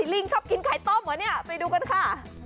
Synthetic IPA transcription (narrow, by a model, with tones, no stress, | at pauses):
i˨˩li˧˩ŋt͡ɕʰɔ˦˥˩p̚ki˧nkʰaː˨˩˦jt̪ɔː˧˥˩mːɯ˨˦nːi˦˥˩ɐpa˧jduː˧ka˧nkʰa˧˥˩